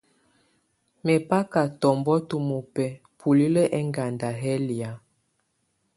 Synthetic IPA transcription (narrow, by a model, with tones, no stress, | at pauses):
mɛ˨pa˦ka˨tɔ˨mbɔ˦tu˨mu˨pɛ˨ | pʰu˨li˦lə˦ʔɛ˦ŋɡa˨nda˨ɦɛ˦li˨a˨